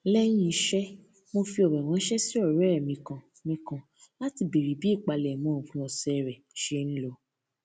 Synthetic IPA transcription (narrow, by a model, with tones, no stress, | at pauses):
lɛ˦j̃ĩ˦˧ʃɛ˦ | mo˧fi˧ɔ˨ɾɛ˨w̃ã˨˦ʃɛ˦si˦ɔ˦˨ɾɛ˦˨mĩ˨˧kã˨ | mĩ˧kã˨ | la˦ti˧bi˨ɾi˨˦bi˨˦i˦˨k͡pa˧lɛ˨mɔ̃˨˦˨kũ˨˧ɔ˨sɛ˧˨ɾɛ˨ʃe˦ñ̩˦lo˧˦